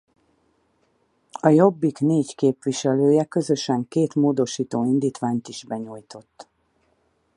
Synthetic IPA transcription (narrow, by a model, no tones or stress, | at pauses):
ɒjo̞bːikneːckeːpʋiʃɛløːjɛkø̞zø̞ʃɛŋkeːt̪moːd̪o̞ʃiːt̪oːind̪iːt̪ʋaːɲt̪iʒ̥bɛɲuːjt̪o̞t̪ː